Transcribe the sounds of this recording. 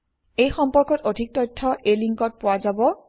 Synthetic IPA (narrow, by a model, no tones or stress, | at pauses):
ejxɔmpɔɹkɔtodʱik̚tɔjtʰːɔʔejliŋkɔt̚pʊwazabɔ